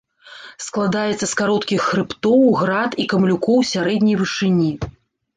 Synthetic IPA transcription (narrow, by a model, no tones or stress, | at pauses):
sklˠad̪ajɛt̪sːɐskaɾɔt̪kʲixːɾɨpt̪ɔwɣɾat̪ikɐmlʲukɔwsʲaɾɛd̪ʲnʲɐjvɨʂɨnʲi